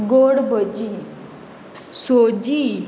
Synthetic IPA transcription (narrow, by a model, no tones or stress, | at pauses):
ɡoɽbəd͡ʑi | sod͡ʑi